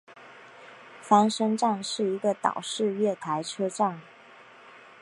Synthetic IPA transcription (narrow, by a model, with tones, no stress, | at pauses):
fa˧˥ŋʂɤ˥ŋʈ͡ʂa˥˧ŋʂɻ̩˥˩i˧˥ɡə˧t̪ɑ̰˨˩ʊʂɻ̩˥˧ɥɛ˥˩t̪ʰa˧˥ɪʈ͡ʂʰɤ˥ʈ͡ʂa˥˩ŋ